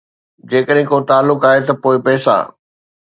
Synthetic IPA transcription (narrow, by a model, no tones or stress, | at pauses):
d͡ʑeːkəɗɦɪ̃kot̪aːlːʊkaːɦet̪ɐpoːɪpɛːsa̰ː